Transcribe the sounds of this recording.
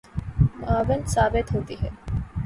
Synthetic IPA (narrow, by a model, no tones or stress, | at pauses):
maːʋənsaːbet̪ɦot̪iɦɛ